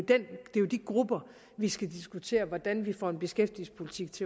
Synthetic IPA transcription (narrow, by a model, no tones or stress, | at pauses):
d̥end̥e̝jod̥iɡ̥ʁub̥ɐ | ʋisɡ̥ædisɡ̥ut͡sʰe̝̰ːɐʋɒd̥ænʋifɒ̰e̝nb̥e̝sɡ̥efd̥iespʰo̝lit͡sʰiɡ̥̚t͡sʰe̝